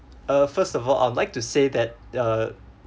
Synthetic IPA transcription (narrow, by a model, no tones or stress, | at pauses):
ʌfəstɔvɔlʔa̰ɪwdlaɪk̚tusedɛt̚ʌ